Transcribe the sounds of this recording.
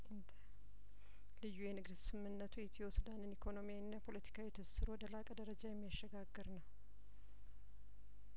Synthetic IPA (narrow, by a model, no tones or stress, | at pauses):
ʔɨnd̪ə | lɨjːujɛnɨɡd̪sɨmːɨnːət̪ʰujɛt̪ʰiwosud̪anɨnikʰo̞no̞mijawinːapʰo̞lət̪ʰi̥kʰawiɛt̪ʰəsɨɾo̞d̪əlakʼəd̪əɾəd͡ʒajɛmːijaʃːɛɡaɡːɨɾnəw